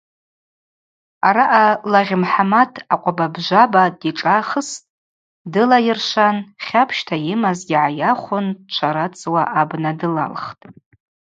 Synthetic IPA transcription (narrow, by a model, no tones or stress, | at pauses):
aɾaʔalaʁʲɪmħamatʰaqʷʼababʒʷabadiʈ͡ʂʼaχəstʼ | dɨlajɪrʂʷanχʲapʰʃtʰajɪmazɡʲɪʕajaχʷʊnt͡ʃʷʰaɾat͡sʰʼwaʔabnadɨla̰lχtʼ